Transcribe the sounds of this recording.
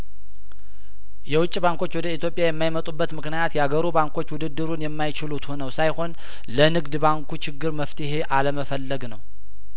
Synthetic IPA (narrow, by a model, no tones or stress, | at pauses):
jɛwʊt͡ʃʼːibaŋko̞t͡ʃːwɔd̪əit̪ʰjo̞pʼjajɛmːajmət̪ʼubːət̪mɨknijat̪jɛaɡəɾubaŋkʰo̞t͡ʃːwʊd̪ɨd̪ːɨɾunjɛmːajɪt͡ʃɪlut̪honəwsajho̞n | lənɨɡd̪baŋkʰut͡ʃɪɡːɨɾməft̪ʰɨɦe̞ʔaləməfəlːəɡnəw